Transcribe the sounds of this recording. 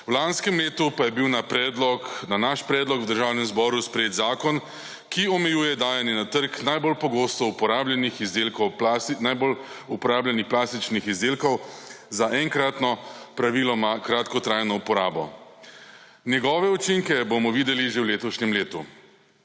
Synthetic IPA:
wlanskɛmleːt̪upajɛbiwnapɾɛd̪lɔnanaʃpɾɛːd̪lɔkwd̪əɾʒaːwnɛmzbɔːɾuspɾɛjeːd̪zaːkɔn | kiɔmɛjuːjɛd̪aːjɛnjɛnat̪əɾknajbolpɔɡoːst̪ɔupɔɾaːblɛnixzd̪elkɔwpasnajbol | upɔɾaːblanixplaːst̪it͡ʃnixizd̪eːlkɔwzaʔɛŋkɾat̪nɔpɾaʋilɔmakɾat̪kɔt̪ɾajnɔupɔɾaːbɔ̰ | njɛɡɔːʋɛut͡ʃiŋkɛbomɔʋiːd̪ɛliʒewleːt̪ɔʃɲɛmleːt̪u

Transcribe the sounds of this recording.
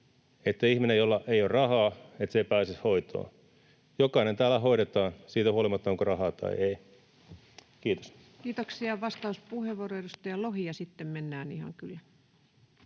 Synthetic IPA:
et̪ːæihminejolːɑʔeijorrɑhɑːet̪seipæːsishoit̪o̰ː | jokɑinent̪æːlːˑæhoiɾet̪ɑːnsiːt̪æuɑlimɑt̪ːɑoŋkorɑhɑːt̪ɑ̰iei | kiːt̪o̥s | kiːt̪oksiɑʋɑst̪ɑuspuheʋoroedust̪ɑjɑlohiɑsit̪ːemmenːæːnihɑ̰ŋkylːæ

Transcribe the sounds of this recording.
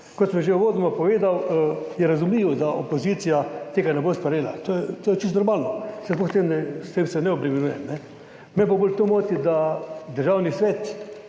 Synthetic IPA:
kɔt̪səmʒeuʋoːd̪nɔmapɔʋeːd̪awjɛɾazumliʋɔd̪aʔopoziːt̪sijat̪eːɡanɛbospɐɾjeːla̰t̪ojɛt̪oːjɛt͡ʃist̪nɔɾmaːlnɔsɛzplɔxst̪emd̪ast̪emsɛnɛɔpɾɛmɛnuːjɛmnɛ | mɛbobolt̪omoːt̪id̪ad̪əɾʒaːwnisʋeːt̪

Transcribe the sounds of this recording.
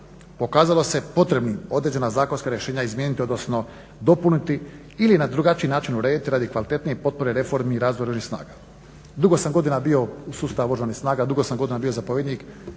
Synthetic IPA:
po̞kaːzalˠo̞se̞po̞t̪ɾe̞bnio̞d̪ɾe̞d͡ʑe̞nazaːko̞nskaɾjeʃeːɲaizmjenit̪io̞d̪no̞sno̞ | d̪o̞punit̪i | ilinad̪ɾuɡat͡ʃinaːt͡ʃinuɾe̞ːd̪it̪iɾad̪ikʋalit̪e̞t̪nije̞po̞t̪̚po̞ɾeɾefo̞ɾmiːɾaːzoɾoʒnixsna̰ːɡa | d̪uɡo̞samɡo̞d̪inabio̞usuːst̪aaʋoʒanixsnaːɡad̪uɡo̞samɡo̞d̪inabijozapoʋed̪nik

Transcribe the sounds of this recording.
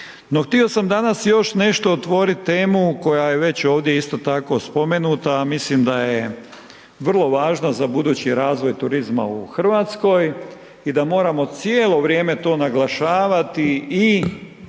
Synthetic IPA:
noxt̪io̞samd̪anasjo̞ʃne̞ʃt̪oːt̪ʋo̞ɾit̪ːe̞ːmuko̞jajeʋe̞t͡ɕo̞ːʋd̪je̞ist̪o̞t̪ako̞spo̞me̞nuːt̪amislimd̪aje | ʋr̩lˠo̞ʋaːʒnazabud̪uːt͡ɕiɾaːzʋo̞jt̪uɾizma̰uxr̩ʋaːt̪sko̞j | id̪amo̞ːɾamo̞t̪sjeːlˠo̞ʋɾje̞ːme̞t̪o̞ːnaɡlˠaʃaːʋat̪ii

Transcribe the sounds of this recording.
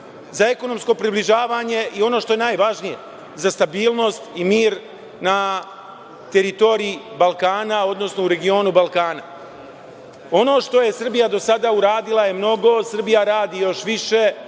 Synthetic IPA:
zae̞ko̞no̞msko̞pɾibliʒaːʋaːɲe̞ʔio̞no̞ːʃt̪o̞jenajʋaʒnije̞ | zast̪abiːlˠno̞st̪imiːɾ | na | t̪e̞ɾit̪o̞ɾiibalˠkaːnao̞d̪no̞sno̞uɾe̞ɡio̞ːnubalˠkaːna | o̞no̞ːʃt̪o̞je̞sr̩bijad̪osad̪auɾaːd̪ilˠaje̞mno̞ɡo̞sr̩bijaɾaːd̪ijo̞ʃʋiʃe̞

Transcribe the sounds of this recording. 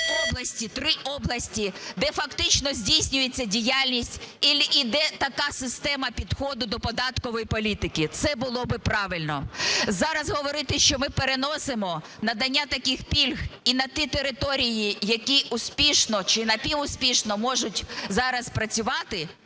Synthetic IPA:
ɔblˠɐsʲtʲit̪ɾɪʔɔblˠɐsʲtʲid̪ɛfɐkt̪ɪt͡ʃnɔzʲdʲijsʲnʲʊjet͡sʲːɐdʲijalʲnʲisʲtʲilʲid̪ɛt̪ɐkɑsɪst̪ɛmɐpʲid̪xɔd̪ʊd̪ɔpɔd̪ɑt̪kɔʋɔjipɔlʲit̪ɪkɪt̪sɛbʊlˠɔbɪpɾɑʋɪlʲnɔzɑɾɐzɦɔʋɔɾɪt̪ɪʃt͡ʃɔmɪpeɾenɔsemɔ | nɐd̪ɐnʲːat̪ɐkʲɪxpʲilʲɣinɐt̪ʲit̪eɾɪt̪ɔɾʲijijɐkʲiʔʊsʲpʲiʃnɔt͡ʃɪnɐpʲiʋʊsʲpʲiʃnɔmɔʒʊtʲzɑɾɐspɾɐt͡sʲʊʋɑt̪ɪ

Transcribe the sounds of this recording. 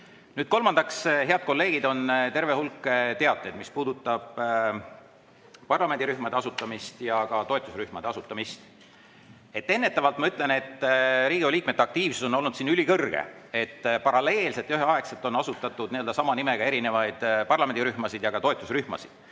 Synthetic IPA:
nyːd̪̚ko̞lmɑnd̪̥ɑksheɑd̪̥̚ko̞lːe̞ːɡ̥id̪o̞nt̪e̞ɾve̞hulkːˑet̪e̞ɑd̪nejd̪̥mispuːd̪̥ut̪ːˑɑb̥ | pɑrlɑmend̪ʲiɾyhmɑd̪e̞ɑsut̪ːˑɑmist̪jɑkɑt̪o̞e̞t̪ːˑusryhmɑd̪eɑsut̪ːˑɑmist̪ | e̞t̪ːe̞nːe̞t̪ːˑɑvɑlt̪mɑyt̪ˑle̞net̪ːɾiːɡioliːk̚met̪ːɑk̚t̪iːv̥su̥so̞no̞lnud̪siːnylʲikɤrɡ̥ḛe̞t̪ːpɑɾɑle̞ːlse̞t̪jyɦeɑekselt̪ːˑo̞nːɑsut̪ːˑɑt̪ːˑud̪niøld̪ɑsɑmɑnime̞ɡ̥ɑe̞ɾine̞vɑjd̪̥pɑrlɑme̞nd̪iɾyhmɑsid̪jɑɡɑt̪o̞et̪ːˑusryhmɑ̰sid̪̥

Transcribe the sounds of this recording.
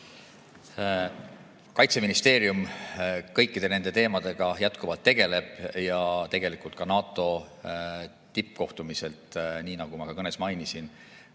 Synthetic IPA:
kɑjt̪se̞minist̪e̞ːɾjumkɤ̞jkːid̪̥e̞ne̞nd̪e̞t̪e̞ːmɑd̪̥e̞ɡ̥ɑjæt̪ˑkuvɑlt̪ːe̞ɡ̥e̞le̞b̥jɑt̪e̞ɡ̥e̞likult̪̚kɑnɑːt̪ːˑo̞ | t̪ipːko̞ht̪umise̞lt̪ˑniːnɑɡ̥umɑkɑkɤne̞smɑjnisin

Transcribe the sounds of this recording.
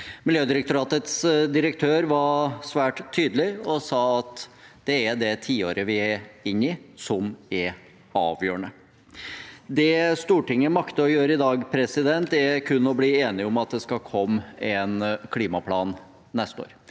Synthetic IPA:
mɪljøːd̪ɪɾək̚t̪ʊɾɑːt̪ət̪sd̪ɪɾəkt̪ʰøːɾʋɑsʋæːʈt̪ʰːyːd̪əlɪɔsɑːɑt̪d̪̥ɛæɖɛt̪ʰiːoːɾəʋɪæɪnːɪsɔmɛɾ | ɑːʋjøːəɳə | d̪ɛst̪uːʈɪŋːəmɑkt̪əɔjøːɾəɪd̪ɑːɡpʰɾɛsɪd̪ɛnt̪ɛkʰʉnːɔbliːeːnɪɔmɑt̪̚d̪ɛskɑkʰɔmːɛnkʰliːmɑpʰlɑːnː | ɛst̪əo̰ːɾ

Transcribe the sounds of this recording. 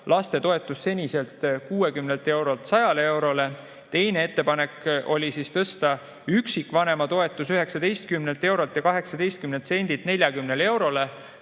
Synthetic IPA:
lɑst̪e̞t̪o̞e̞t̪ːˑusːe̞nʲise̞lt̪ˑkuːe̞kymnelt̪ːˑe̞wɾo̞lt̪sɑjɑlee̞wɾo̞le̞ | t̪e̞jne̞e̞t̪ːe̞pɑne̞kʔo̞lʲisiːst̪ɤst̪ɑ | yksikːˑvɑne̞mɑt̪o̞e̞t̪ːˑusyɦe̞ksɑd̪̥e̞jst̪̚kymnelt̪ːe̞wɾo̞lt̪jɑkɑɦe̞ksɑd̪e̞jst̪̚kymnent̪se̞nʲd̪̥ilt̪ne̞lʲjɑkymnele̞wɾo̞le

